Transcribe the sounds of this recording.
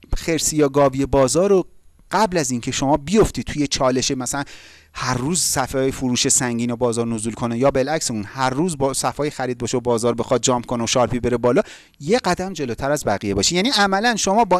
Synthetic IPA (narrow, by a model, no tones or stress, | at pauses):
xe̞ɾsijɒːɡɒːvijebɒːzɒːɾo | ɢ̥æblæziːncʰe̞ʃo̞mɒːbijo̞ft̪id̪̚t̪ʰujet͡ʃʰɒːle̞ʃemæsælæn | hæɾːuːzsæfɒːjefuɾuːʃesæŋɟiːnobɒːzɒːɾnozulkʰo̞nejɒːbe̞lækseunhæɾːuːzbsæfɒːjexæɾiːd̪̚bɒʃeobɒːzɒːɾbexɒːd̪̚d͡ʒɒːmkʰoneoʃɒːɾpibe̞ɾebɒːlɒː | je̞ɢæd̪æmd͡ʒe̞lot̪ʰæɾæzbæɣijebɒːʃijæːniʔæmælænʃo̞mɒːbɒ